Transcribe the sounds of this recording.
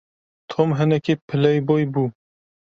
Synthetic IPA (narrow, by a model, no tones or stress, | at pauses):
t̪ʰomɦɨnɛkepʰɨlɛjbojbuː